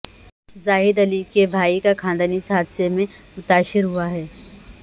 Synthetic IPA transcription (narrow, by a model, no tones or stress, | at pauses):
zaːɦɪd̪ɐlikebʱaːikakʰãːnd̪anisaːd̪semẽ | mʊt̪aːʃɪɾɦuaɦɛː